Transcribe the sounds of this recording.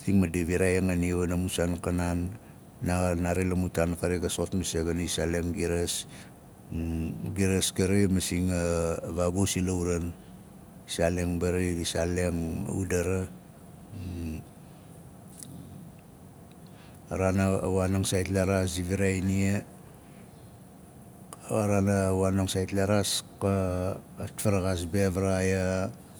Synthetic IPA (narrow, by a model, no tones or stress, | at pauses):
tiŋmadeβiɾajeŋanieβanamusankananː | anaɾelamutankaɾeɡaso̞tmaseɡanisaleŋɡiɾes | ɡiɾeskaɾemasiŋaβabosilawɾan | isaleŋbaɾiisaleŋ̰ṵdaɾa | aɾanawanaŋsajtlaɾasiβiɾainie | aɾanawanaŋsajtlaɾaskaː | tfaɾaɣasbeβaɾaja